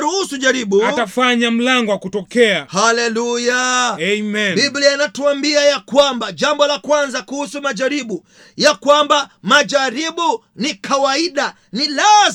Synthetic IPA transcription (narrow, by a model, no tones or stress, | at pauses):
ɾuhusuʄaɾiɓuatafaɲam̩laŋɡɔwakutɔkɛahalɛlujaɛmɛnbiblianatuambiajakwambaʄambɔlakwanzakuhusumaʄaɾiɓu | jakwambamaʄaɾiɓu | nikʰawaiɗa | nila